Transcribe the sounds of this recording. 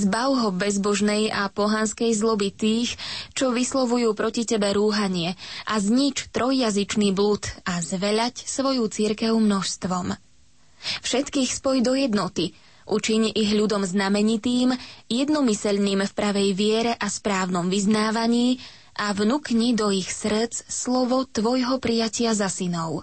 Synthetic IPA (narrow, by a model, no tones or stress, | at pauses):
zbaʊɦɔbɛzbɔʒnɛjapɔɦanskɛjzlɔbit̪iːxt͡ʃɔʋislˠɔʋujuːpɾɔcicɛbɛɾuːɦaɲɪɛʔazɲit͡ʃt̪ɾɔjːazit͡ʃniːblut̪azʋɛʎacsʋɔjuːt͡siɾkɛʊmnɔʃst̪ʋɔm | fʃɛt̪kiːxspɔjd̪ɔjɛd̪nɔt̪i | ʔut͡ʃiɲiɣʎud̪ɔmznamɛɲit̪iːmjɛd̪nɔmisɛʎniːmfpɾaʋɛjʋɪɛɾɛʔaspɾaːʊnɔmʋiznaːʋaɲiː | ʔavnukɲid̪ɔixsr̩t͡sslɔʋɔt̪ʋɔjɦɔpɾijacɪazasinɔʊ